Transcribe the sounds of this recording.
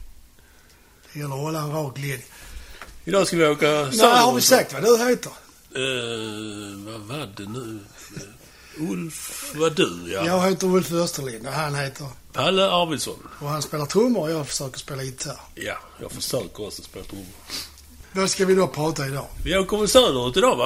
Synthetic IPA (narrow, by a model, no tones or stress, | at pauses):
d̪̥ɛjɛlːəɾɔlanɾɑːklɪn | ɪd̪ɑːskavɪokanæhaɾvɪsak̚t̪vad̪ɵɦeːt̪əɾ | vavadɛnʉ | ʊlfvadʉjajɑːɡheːt̪əɾʊlfœst̪əlɪnd̪əɦanheːt̪ʰəɾ | pʰalːəaɾvɪd̪sɔ̰nɔhanspeːlat̪ʰʊmːəɾɔjɑːɡfə̥ʂœːkəspeːlaɪt̪ʰːæːɾja̰jɑ̰ːɡfəʂœːkəɾɔsɔspeːlat̪ʰʊmːəɾ | d̪ɔskavɪd̪opʰɾɑːt̪aɪd̪ɑːvɪoːkɔvəsɛːd̪əɾʉt̪ɪd̪ɑːa